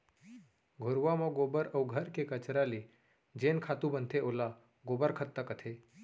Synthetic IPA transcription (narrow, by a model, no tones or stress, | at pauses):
ɡʱʊɾʋamɔ̃ɡoːbəɾəuɡʱəɾkekət͡ʃɾale | d͡ʒeːnkʰaːt̪ũbənt̪ʰeola | ɡoːbəɾkʰət̪ːəkət̪ʰe